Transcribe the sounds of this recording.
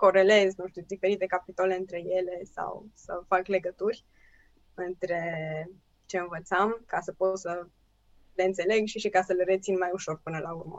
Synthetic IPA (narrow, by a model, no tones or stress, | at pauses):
ko̞ɾe̞le̞znuʃt̪ud̪ife̞ɾit̪e̞kapit̪ole̞ɨnt̪ɾe̞je̞le̞sa̰wsə̰fakle̞ɡət̪urʲ | ɨnt̪ɾe̞ | t͡ʃe̞ɨnvət̪samkasəpo̞t̪sə | le̞ɨnt̪se̞le̞ɡʃiʃikasəleɾe̞t̪sinmajuʃo̞rpɨnəlaurmə̰